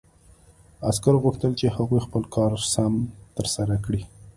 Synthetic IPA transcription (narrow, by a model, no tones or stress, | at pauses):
askaɾɣuxt̪əlt͡ʃehaɣujxpəlkʰɑɾsamt̪əɾsaɾakɽi